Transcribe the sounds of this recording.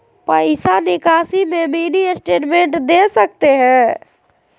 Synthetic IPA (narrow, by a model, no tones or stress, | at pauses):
pəɪsanɪkasimeminiesʈeʈmẽɳʈd̪esəkt̪eɦɛ̃